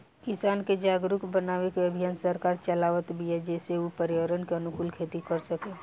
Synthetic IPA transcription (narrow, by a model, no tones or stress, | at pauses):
kɪsaːnked͡ʒaːɡɾʊkbənaːʋekeɐbʱijaːnsəɾkaːɾt͡ʃəlaːʋət̪bʱiɛd͡ʒɛːseupəɾɪʋəɾənkeɐnʊkulkʰeːt̪ikəɾsəkeː